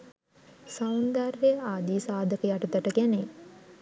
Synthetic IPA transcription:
saund̪aɾːejəaːd̪iːsaːd̪ʱəkəjaʈəd̪æʈəkæne

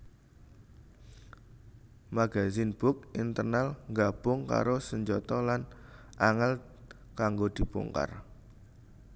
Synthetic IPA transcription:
maɡ̥azinb̥ʊk̚ʔint̪ərnalŋɡab̥ʊŋka̰ɾosəɲd͡ʒɔt̪ɔlanaŋəl | kaŋɡod̪̥i̤bṵŋka̰r

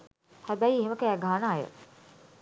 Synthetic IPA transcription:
hæbæjeɦeməkæːɡaːnaːjə̰

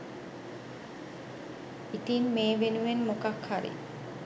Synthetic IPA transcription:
it̪inmeːʋenuʋenmokakʰhaɾḭ

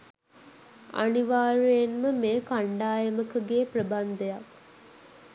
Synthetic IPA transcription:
a̰niʋaːɾejenməmeːkaɳɖaːjəməkəɡeːprəband̪ejak

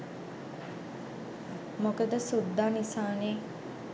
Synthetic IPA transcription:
mokəd̪əsud̪ːaːnisaːneː

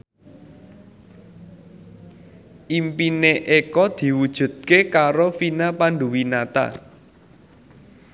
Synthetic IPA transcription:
ʔimpineʔekɔd̪̥i̤wud̥ʒ̥ṳd̪̚kekaɾofinapanɖṳwinat̪a̰

